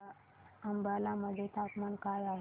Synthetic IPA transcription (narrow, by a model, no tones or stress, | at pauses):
əmbəlaməd̪ʱːet̪apmankajaɦe